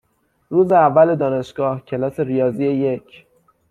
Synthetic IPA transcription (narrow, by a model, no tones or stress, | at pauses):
ruːzeævːæled̪ɒːne̞ʃɡ̥ɒːhcʰelɒːse̞ɾijɒːzieje̞cʰ